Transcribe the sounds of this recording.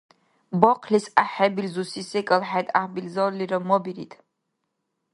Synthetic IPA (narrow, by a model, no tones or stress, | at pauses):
bɔqʰlisaħɛbilzusisɛkʼɐlħɛt̪ʼahbilzɔliɾɐmɔbiɾḭt̪ʰʼ